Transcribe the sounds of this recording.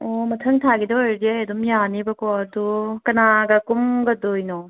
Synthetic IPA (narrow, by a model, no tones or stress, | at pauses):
ɔmɐtʰɐŋtʰaɡidɔeɾdiajɐdumijanibɐkɔɐdukɐnaɡɐkumɡɐdojnɔ